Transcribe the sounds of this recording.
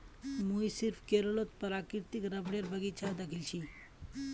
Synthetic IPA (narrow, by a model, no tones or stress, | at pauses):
mujsiɾfkeɾolot̪pəɾakiɾt̪ikɾəbɽjeɾbʱəɡit͡ɕʰad̪akʰilɕi